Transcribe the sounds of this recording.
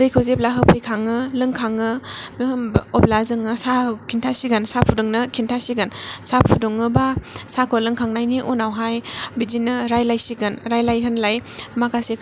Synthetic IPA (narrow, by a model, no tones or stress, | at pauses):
ɾɯjkʰɯwzeplaɦɯpʰɯjkʰaŋɯlɯŋkʰaŋɯmihɯmɔp̚lazɯŋɯsakʰintʰasiɡansapʰuduŋnɯkʰintʰasiɡɯnsapʰudoŋɯbasakʰolɯŋkʰaŋnajniʔunawɦajbid͡ʒinɯɾajlajsiɡɯnɾajlajɦɯnlajmakasek